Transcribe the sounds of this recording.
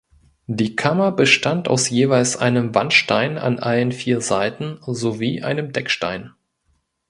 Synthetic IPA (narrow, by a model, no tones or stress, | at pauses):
d̥iːkʰamɐbəʃtanta̰ʊsjeːvaɪlsʔa̰ɪnəmvanʃtaɪna̰nʔalənfiːɐzaɪtn̩zoviːʔa̰ɪnəmdɛkʃta̰ɪn